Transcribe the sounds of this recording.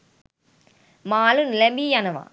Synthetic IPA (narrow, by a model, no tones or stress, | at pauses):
maːlunɪlɐmbijanɐʋã̰ː